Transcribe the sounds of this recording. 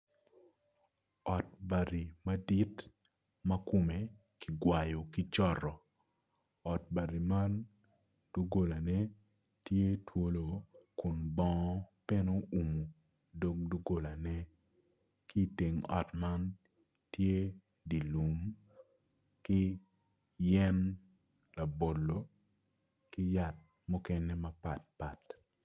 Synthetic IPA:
ɔ˨t̚ba˨ɾi˨ma˦di˦t | mɐ˦ko˨me˨ | ki˨ɡwa˨jo˨ki˦t͡ʃɔ˦ɾɔ˨ | ɔ˨t̚ba˨ɾi˨ma˦n | d̥u˦ɡo˨la˨nɛ˦ | tje˦two˦lo˨kʊ˨nbɔ˦ŋ˦pe˦no˦u˨mu˨ | do˦k̚du˦ɡo˨la˨nɛ˦ | ki˦˨te˨ŋɔ̰˨tma˦n | tje˦ | di˨lu˨m | kɪ˦ | jɛ˦n | la˨bo˨lːo˨ | kɪ˦ja˨t̚ | mɔ˦kɛ˦nɛ˦mɐ˦pa˨t̚pa˨t

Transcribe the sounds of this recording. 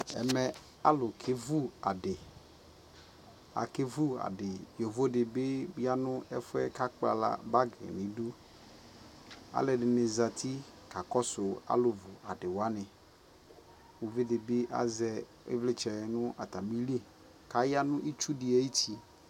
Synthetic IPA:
ɛ̰˨mɛ˨ | a̰˦lʊ˨kʰe˦vu˦a̰˨ɖɪ˨ | a̰˨ke˦vu˦a̰˨ɖɪ˨o˨vo˦dɪ˨be˦i˦a˦nʊ̃˦ɛ˦fɛ˦ka˦k͡pa̰˨la̰˨ba˦ɡɛ̰˨nĩ˨du˦ | a̰˨lɛ˨ɖɪ˨ne˨za˨t̪ʰi˦ka˨kɔ˦sʊ˨a̰˦lʊ˨vʊ˨a˨dɪ˨wa˦nɪ̃˨ | wo˨ve˦dɪ˨be˦ʔa̰˦zɛ˨ | ḛ˦vle˦t͡ʃɛ˨nʊ̃˦a̰˨t̪a˨mĩ˦li˦ | ka˨˦ja˦nʊ̃˦ʔi˦t͡ʃu˦di˨e˦ji˦ti˦

